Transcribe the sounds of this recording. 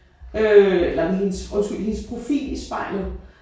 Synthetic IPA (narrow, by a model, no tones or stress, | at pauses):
øelɐmɦinsɔ̽nsɡ̥yl̰hinspʰʁo̝fḭːlisb̥ɑ̈ɪ̰lð̩ˠ